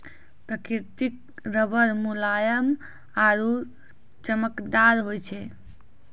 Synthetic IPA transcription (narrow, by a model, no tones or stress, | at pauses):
pɾəkiɾt̪ik̚ | ɾəbəɾmulajəm | aɾu | t͡ʃəməkd̪aɾɦojt͡ʃʰɛ